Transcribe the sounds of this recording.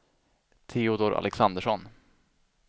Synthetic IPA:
t̪ʰeːʊd̪ɔɾʔa̰lɛksand̪əʂɔn

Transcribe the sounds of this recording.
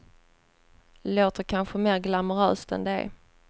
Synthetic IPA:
loːt̪əɾkʰanɧəmeːɾɡlaməɾœ̰ːst̪ɛ̰nd̪ɛ̰

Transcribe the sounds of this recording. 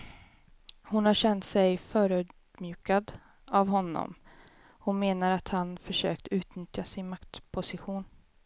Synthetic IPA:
hʊnhaɾɕɛnt̪sɛjfœːɾʉd̪ | mjʉ̟ːkad̪ | avɦɔnːɔ̰m | hʊmeːnaɾat̪hanfœʂø̰ːk̚t̪əʉ̟ːt̪nʏt̪jasɪnmakt̪pʰʊsɪɧuːn

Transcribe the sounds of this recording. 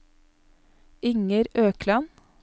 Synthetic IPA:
ɪŋəɾøːkʰlɑn

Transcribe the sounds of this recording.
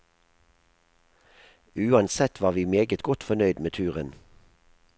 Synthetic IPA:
ʉːɑnsɛt̪ʰʋɑːʁʋiːmeːɡət̪ɡɔt̪fɔnœʏd̪meːt̪ʰʉːʁən

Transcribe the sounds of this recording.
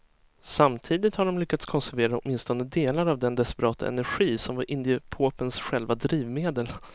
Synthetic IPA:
samt̪ʰiːd̪ɪt̪haɖɔmlʏkːat̪skʰɔnsæɾveːɾaɔt̪mɪnst̪ɔnəd̪eːlaɾavd̪ɛnd̪ɛspɛɾɑːt̪ʰa̰ʔɛ̰næɾɧiːsɔmvaɾʔɪnd̪ɪəpʰoːpənsɧɛlvad̪ɾiːvmeːd̪əl

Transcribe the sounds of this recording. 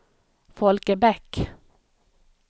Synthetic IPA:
fɔlkəbɛk

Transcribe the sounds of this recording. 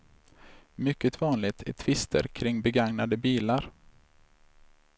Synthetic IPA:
mʏkːət̪vɑːnlɪɡt̪ʰæ̰ʈ̪ʰvɪst̪ʰə̰ɾkʰɾɪŋːbɛɡaŋnad̪əbiːlaɾ

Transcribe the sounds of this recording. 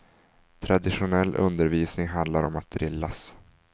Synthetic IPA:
t̪ʰɾad̪ɪɧʊnɛlːʔɵ̰nd̪əɾviːsnɪŋɦand̪laɾɔmat̪̚d̪ɾɪlːas

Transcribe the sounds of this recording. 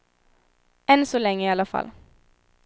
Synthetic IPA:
ɛnsɔlɛŋːəiːɑlɑfɑ̰l

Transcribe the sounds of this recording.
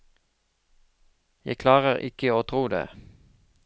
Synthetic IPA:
jæɪkʰlɑːʁəʁɪ̰kəoːt̪ʰʁuːd̪ḛː

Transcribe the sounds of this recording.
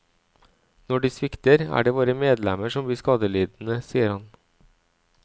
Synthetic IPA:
nɔɖiːsʋɪkt̪əɾæ̰ːɖeːʋoːɾəmeːd̪lɛməʃɔmbliːskɑːd̪əliːd̪n̩əsiːəɾhɑn

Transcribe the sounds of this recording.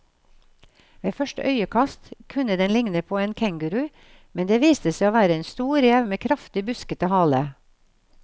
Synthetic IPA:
ʋeːfœʃʈə̰ʔœʏəkʰɑst̪kʰʉnəd̪ɛnlɪŋnəpʰoːeːnkʰæŋɡʉɾʉː | mɛnd̪eːʋiːst̪əseɪoːʋæːɾəeːnst̪uːɾjɛʋmeːkʰɾɑft̪ɪbʉskət̪əhɑːlə

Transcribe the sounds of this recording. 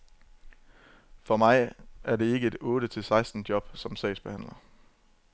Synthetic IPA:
fɒ̽mɑ̈ɪʔæɐde̝e̝ɡ̥əe̝d̥ɔ̽ːɾət͡sʰe̝lsɑ̈ɪsd̥n̩d̥jɒ̽b̥sɒ̽msɛ̰ɪsb̥e̝hæn̰lɐ

